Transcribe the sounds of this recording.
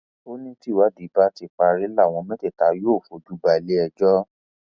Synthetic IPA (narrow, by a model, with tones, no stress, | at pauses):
o˦nĩ˦ti˦˨wa˨˦di˨˦ba˦ti˦˨fa˧ɾi˦la˦˨w̃ɔ̃˧mɛ̃˦tɛ˦˨ta˨˦joː˦˨fo˨d͡ʒu˨˦ba˨le˦ɛ˧d͡ʒɔ˦